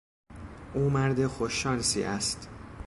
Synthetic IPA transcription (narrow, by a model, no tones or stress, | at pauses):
ʔuːmæɾd̪exoʃːɒːnsḭːʔæst̪